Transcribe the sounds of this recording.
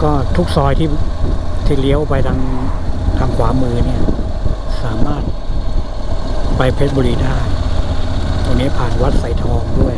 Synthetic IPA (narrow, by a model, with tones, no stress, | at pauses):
kɔː˥˩t̪ʰu˦˥k̚sɔː˧jt̪ʰiː˥˩t̪ʰiː˥˩li˦˥əwpa˧jt̪ʰa˧ŋk̪ʰa˨˧kʰwaː˩˦mɯː˧ni˥˩ɐ | saː˩˦maː˥˩t̪̚ | pa˧jpʰe˦˥t̪̚bɔː˧ɾiː˧daː˥˩j | t̪ʰo˧niː˦˥pʰaː˨˩n̚wa˦˥t̪̚sa˨˩jt̪ʰɔː˧ŋdu˥˩əj